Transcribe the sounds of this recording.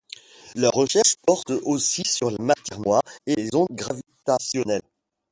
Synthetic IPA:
lœʁːəʃɛʁʃpɔʁt̪osisyʁlemat̪ɛʁnwaʁelezɔ̃d̪̚ɡʁavit̪asjɔnɛl

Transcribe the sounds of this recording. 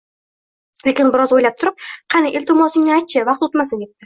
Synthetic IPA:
le̞kʲɪnbɪɾɒzojlap̚t̪ʰʊɾɪp̚qʰɑnɪʔɪlʲt̪ʰɪmɒsɪŋnɪajt̪̚t͡ʃʰɪvɑqt̪ot̪masɪnep̚t̪ɪ

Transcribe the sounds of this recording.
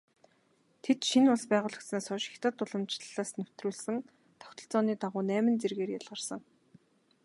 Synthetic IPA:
t̪ʰet̪ʃinʊɮspæːʁʊːɮə̆k̪snaːsʊʃɪ̥xʲt̪ə̆t̪ʊɮə̆mt͡ɕɮaːsnɵw̥ʲt̪ruːɮsɘ̆ŋ | t̪ʰɔ̥wt̪ɞ̆ɬt͡sɔːniːt̪aʁʊːnæːmɘ̆nt͡serɣeːrjaɮʁə̆rsə̆ŋ

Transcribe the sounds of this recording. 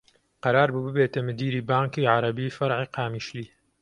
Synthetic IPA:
qɑɾaːɾbubɨbeːt̪ɐmɨd̪iːɾiːbaːŋkiːʕaɾɐbiːfɐɾʕiːqaːmiːʃliː

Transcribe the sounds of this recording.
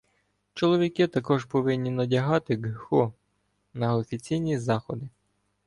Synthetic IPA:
t͡ʃɔlˠɔʋʲikɪt̪ɐkɔʒpɔʋɪnʲːinɐdʲɐɦɑt̪ɪɡxɔ | nɐɔfʲit͡sʲijnʲizɑxɔd̪ɪ

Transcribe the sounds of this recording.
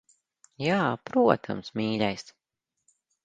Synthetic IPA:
jaːpɾuɔt̪ʰa̰msmʲiːlʲajs

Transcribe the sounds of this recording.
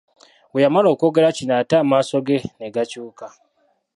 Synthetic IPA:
wejamalo̞ːko̞ːɡe̞ɾacinatamaːso̞ɡeneɡacuːka

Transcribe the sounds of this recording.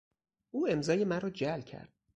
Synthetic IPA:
ʔuːe̞mzɒːjemæɾɒːd͡ʒælcʰæ̰ɾd̪̥̚

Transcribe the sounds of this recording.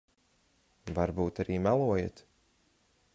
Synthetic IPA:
vaɾbuːt̪aɾiːmalˠuɔjet̪

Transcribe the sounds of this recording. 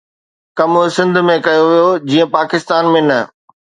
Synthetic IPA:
kɐmʊsɪ̃nd̪ʱmẽkɐjoʋijod͡ʑiːə̃paːkɪst̪aːnmẽnɐ

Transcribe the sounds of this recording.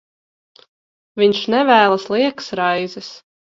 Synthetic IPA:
vʲiɲʃnɛvæːlˠaslˠiɛksɾajzɛs

